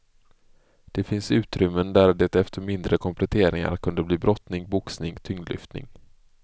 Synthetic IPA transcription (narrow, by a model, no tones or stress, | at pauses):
d̪̥ɛfɪnsʉ̟ːt̪ɾʏmːənd̪æɾd̪eːt̪ɛft̪əɾmɪnd̪ɾəkʰɔmpʰlɛt̪ʰeːɾɪŋa̰ɾkʰɵnd̪əbliːbɾʔɔt̪nɪŋbʊksnɪŋt̪ʰʏŋd̪lʏ̰ft̪nɪ̰ŋ